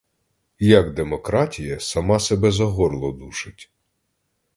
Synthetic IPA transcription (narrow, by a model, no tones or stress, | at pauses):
jɐɡd̪emɔkɾɑtʲijɐsɐmɑsebɛzɐɦɔrlˠɔd̪uʃɪtʲ